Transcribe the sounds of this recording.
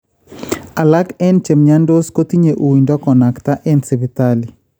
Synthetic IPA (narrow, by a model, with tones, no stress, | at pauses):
a˨la˦kɛ˦nt͡ʃe˨mɲa˦ndo˦sko˦t̪i˦ɲe˨ʔu˨wi˨ɲdɔ˦kɔ˨na˨kt̪a˦ʔɛ˦nse˨bi˨t̪ali˨